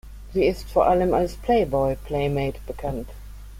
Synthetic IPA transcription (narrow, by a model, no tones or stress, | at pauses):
ziːɪstfɔɐʔaləmalspʰl̥eɪbɔɪpʰl̥eɪmeɪtb̥əkʰant